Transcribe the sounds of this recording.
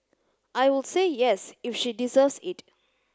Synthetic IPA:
ʔajwɪlsejɛsifʃidizəvsɪt

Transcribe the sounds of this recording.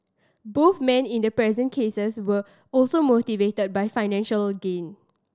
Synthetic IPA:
boθmɛ̃nĩndəpɹɛzə̃nkʰesəswə | ɔlsomotivetəd̚bajfaɪnɛ̃nʃəlɡẽn

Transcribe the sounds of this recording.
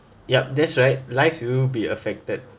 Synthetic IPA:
jɛp̚dɛtsɹaɪt̚laɪkswibiə̰fɛk̚tət̚

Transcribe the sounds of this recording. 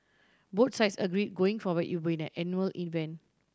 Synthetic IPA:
bot̚saɪtsəɡɹid̚ɡoĩŋfɔwətibĩnɛ̃ʔɛ̃njuəlʔĩnvɛ̃n

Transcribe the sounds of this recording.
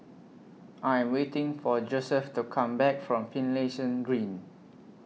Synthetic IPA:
ʔãj̃mwetɪ̃ŋfɔd͡ʒosɛftukʰãmbɛk̚fɹɔ̃mfĩnleʃə̃nɡɹĩn

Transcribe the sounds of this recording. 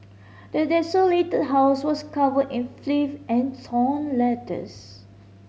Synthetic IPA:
dədɛsoletət̚ɦaʊswɔskavədɪ̃nflifʔɛ̃ntʰɔ̃nlɛtə̰s

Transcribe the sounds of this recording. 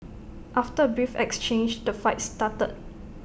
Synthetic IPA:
ʔaftəbɹifɛ̰kst͡ʃẽnd͡ʒdəfaɪtstatə̰d̚

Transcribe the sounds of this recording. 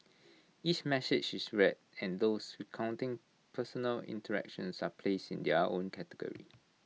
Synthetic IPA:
it͡ʃmɛsɪd͡ʒisɹɛtɛ̃ndoswikʰãw̃ntĩŋ | pʰəsɔnəlḭ̃ntəɹɛ̰kʃə̃nsapʰlesḭ̃ndɛõnkʰɛtəɡɔ̰ɹḭ

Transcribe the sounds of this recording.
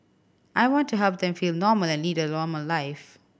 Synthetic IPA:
ʔaɪwɔ̃ntʰuɦɛlˠp̚ðɛ̃mfilnɔːməlɛ̃nlidənɔːməllaɪf

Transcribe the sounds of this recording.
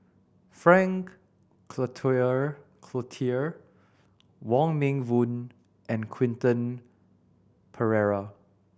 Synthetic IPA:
fɹɛ̃ŋkʰ | lətʰɔjə | kʰlotʰiəɹ | wɔ̃ŋmẽŋvũn | ʔɛ̃nkʰw̥ɪ̃ntə̃n | pʰəɹɛɹa

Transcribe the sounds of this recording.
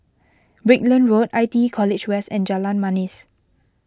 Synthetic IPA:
bɹik̚lə̃nɹotajtikʰɔlit͡ʃwɛsɛ̃nd͡ʒalãnmãnis

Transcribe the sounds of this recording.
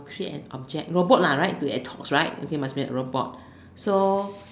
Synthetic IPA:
kʰɹietɛ̰̃nɔb̚d͡ʒɛk̚ɹobɔt̚laɹaɪt̚duɛ̰tʰɔksɹaɪt̚o̰kemasbĩə̰ɹobɔ̰t̚ | so

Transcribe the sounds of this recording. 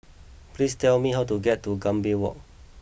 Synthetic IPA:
plistɛlmiɦawtuɡɛtːuɡãmbiwɔ̰k̚

